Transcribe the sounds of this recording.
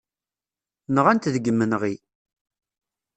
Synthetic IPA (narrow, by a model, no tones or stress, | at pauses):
nəʁænt̪ðəɡːəmːənʁi